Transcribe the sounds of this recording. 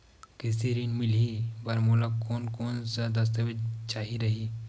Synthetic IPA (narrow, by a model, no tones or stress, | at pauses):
kɪsiɾinmɪlibɐɾmoːlakoːnkoːnsɐd̪ɐs̬t̪əʋɪd͡ʒt͡ʃaːɦiɾɐɦi